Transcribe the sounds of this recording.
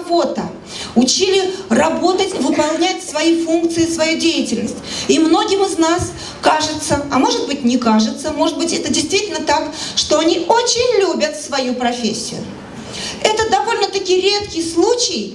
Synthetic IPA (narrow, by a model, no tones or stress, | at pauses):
vo̞t̪ə̰ | ʊt͡ɕilʲɪrɐbo̞t̪ətʲvɨpɐlˠnʲætʲsvɐjifunkt̪sɨɪsvɐjudʲejɪtʲɪlʲnəsʲtʲimno̞ɡʲɪmɨznas | kaʐɨt̪səɐmo̞ʐɨt̪̚bɨtʲnʲɪkaʐɨt̪səmo̞ʐɨt̪bɨtʲɛt̪ədʲɪjst̪vʲitʲɪlʲnət̪akʂt̪o̞ɐnʲiot͡ɕɪnʲlʲubʲət̪svɐjupɾɐfʲesʲːɪ̰jʊ̰ | ɛt̪əd̪ɐvo̞lʲnət̪ɐkʲijɾʲe̞t̪kʲɪjslˠut͡ɕɪj